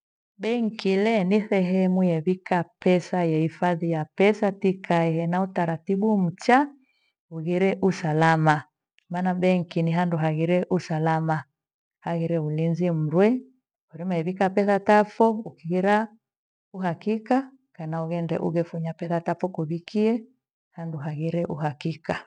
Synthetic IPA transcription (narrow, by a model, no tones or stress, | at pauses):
bɛŋkilɛniθɛɦɛmujɛβikapɛsajɛhifaðijapɛsatikʰaɛhɛnautaɾatiɓum̩t͡ʃa | uɣiɾɛʔusalama | maːnabɛŋ̩kiniɦanduɦaɣiɾɛʔusalama | haɣiɾɛulinzim̩ɾwɛ | ɔɾimaɛβikapɛθatafɔukiɣiɾa | uɦakika | kanauɣɛndɛ̰ʔṵɣɛfuɲapɛθatafɔkuβikiɛ | handuɦaɣiɾɛʔṵɦakika